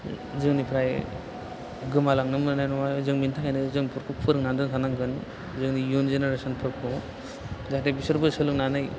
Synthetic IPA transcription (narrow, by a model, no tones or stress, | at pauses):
zɯŋnipʰɾaj | ɡɯmalaŋnɯmnɯnajnɔmazɯŋmintʰakajnɯzɯŋnpʰɯɾkʰupʰɯɾɯŋnandɯnsʰanaŋɡɯn | zɯŋnijunzeneɾesɔnpʰɯɾkʰnu | zatebisɯɾbɯsɯlɯknanɯj